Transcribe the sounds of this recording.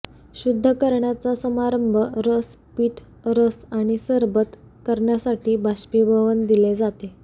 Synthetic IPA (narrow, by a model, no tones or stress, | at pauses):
ɕud̪ʱːəkəɾɳjat͡sasəmaɾəmbʱəɾəs | piːʈʰ | ɾəsaɽ̃isəɾbət̪ | kəɾɳjasaʈiːbʱaɕpibʱəʋənd̪iled͡zat̪e